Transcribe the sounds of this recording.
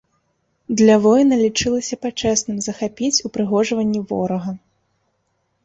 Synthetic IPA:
d̪lʲɐvɔjnɐlʲit͡ʂɨlˠɐsʲɐpat͡ʂɛsnɨmzɐxapʲit͡sʲupɾɨɣɔʐɐvɐnʲːivɔ̰ɾɐɣɐ

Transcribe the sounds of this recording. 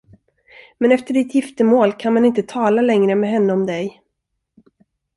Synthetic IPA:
mɛnɛft̪əɖɪt̪jɪft̪əmoːlkʰanmanɪnt̪ət̪ʰɑːlalɛŋɾəmɛɦɛnːəɔmd̪ɛj

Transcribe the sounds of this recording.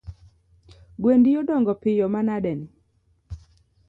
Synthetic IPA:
ɡwendijɔdɔŋɡɔpɪjɔmanadɛnɪ

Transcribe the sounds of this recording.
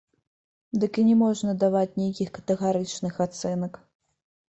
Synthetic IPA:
d̪ɨkinʲɛmɔʐnɐd̪avat͡sʲnʲejkʲixkɐ̥t̪ɛɣaɾɨt͡ʂnɨxat̪sɛnɐk

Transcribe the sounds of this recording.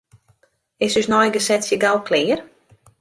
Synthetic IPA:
ɪsysnɔjɡəsɛtsjəɡalˠkʰlɪːər

